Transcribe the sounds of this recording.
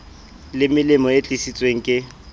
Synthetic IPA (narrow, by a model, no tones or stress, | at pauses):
lɪmɪlɪmɔet͡ɬʼisit͡sʼweŋ̩kʼɪ